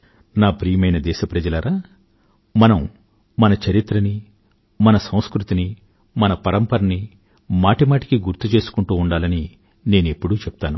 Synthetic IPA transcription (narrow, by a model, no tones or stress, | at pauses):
naːpɾiːjɐmɐjnɐd̪ɛːʃɐpɾɐd͡ʒɐlɐɾaː | mɐnɐmː | ɐnɐt͡ʃɐɾit̪ɾɐni | mɐnɐsɐ̃w̃skɾut̪ini | mɐnɐpɐɾɐmpɐɾɐni | maːʈimaːʈi̥kiɡuɾt̪ːut͡ʃe̞ːsu̥kuɳʈuːɳɖaːlɐni | ne̞ːnuepːuɽuːt͡ʃɛp̚t̪aːnu